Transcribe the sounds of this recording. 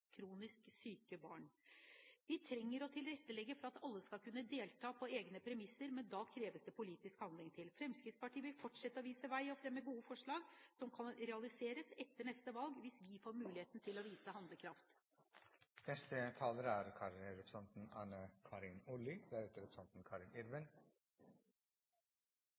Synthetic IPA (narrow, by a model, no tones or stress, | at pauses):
kʰɾuːnɪsksyːkəbɑːɳ | ʋɪt̪ʰɾɛŋːəɾɔt̪ʰɪlɾɛt̪ːəlɛɡːəfɔɾɑt̪ɑlːəskɑlkʉnːəd̪eːlt̪ʰɑːpʰɔeːɡnəpʰɾɛmɪsːəɾmɛnd̪ɑkʰɾeːʋəsd̪ɛpʰʊliːt̪ɪskhɑnlɪŋt̪ʰɪlfɾɛmskɾɪt̪spɑʈʰiːʋɪlfɔʈʂɛt̪ːəɔʋiːsəʋæɪɔfɾɛmːəɡuːəfɔʂɭɑːɡsɔmkʰɑnɾɛɑlɪseːɾəsɛt̪ːəɳɛst̪əʋɑlɡʋɪsʋɪfoːɾmʉːlɪheːt̪n̩t̪ʰɪlɔʋiːsəhɑnd̪ləkʰɾɑft̪ | nɛst̪ət̪ʰɑːləɾəæɾkʰɑːɾɾɛpɾsɑnt̪n̩ɑːnəkʰɑːɾɪnʊlɪd̪æɾɛt̪əɾɛpɾsɑnt̪n̩kʰɑːɾɪnɪɾʋən